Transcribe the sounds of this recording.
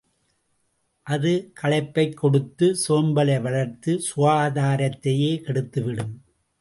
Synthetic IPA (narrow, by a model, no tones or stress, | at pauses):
ʔɐðɯkʰɐɭɐɪpːɐɪkːɔɽɯt̪ːɯsoːmbɐlɐɪʋɐɭɐɾt̪ːɯsʊʋaːðaːɾɐt̪ːɐjeːkɛɽɯt̪ːɯʋɪɽɯm